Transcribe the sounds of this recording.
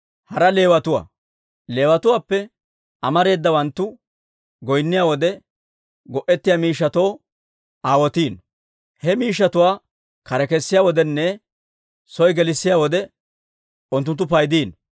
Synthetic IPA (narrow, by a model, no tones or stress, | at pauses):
hɐɾɐle̞ːwɐt̪ʊwa̰ː | le̞ːwɐt̪ʊwaːpːɛ | ɐmɐɾe̞ːd̪ːɐwɐnt̪ːʊ | ɡɔjnːɪjaːwɔd̪ɛ | ɡɔʔɛt̪ːɪjaːmiːʃːɐt̪oː | aːwɔt̪iːn | hɛmiːʃːɐt̪ʊwaː | kɐɾɛkɛsːɪjaːwɔd̪ɛnːɛ | sɔjɡɛlɪsːɪjaːwɔd̪ɛ | ʊnt̪̬ːʊnt̪ːʊpɐjd̪iːn